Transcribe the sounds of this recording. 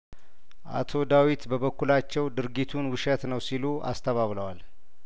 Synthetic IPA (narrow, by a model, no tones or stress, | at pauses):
ʔa̰t̪ʰo̞d̪awit̪bəβəkːulat͡ʃːɛwd̪ɨɾɡit̪ʰunwʊʃɛt̪nəwsilua̰st̪ʰəβaβləwal